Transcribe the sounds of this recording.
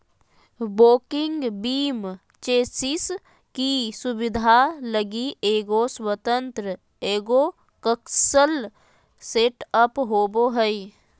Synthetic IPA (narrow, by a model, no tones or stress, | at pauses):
boːkɪ̃ŋɡbiːm | t͡ʃeːsɪs | kisʊbɪd̪ʱaləɡiʔeːɡoswət̪ə̃nt̪ɾə | eːɡo | kəkʃəl | seʈəpɦoːboɦəi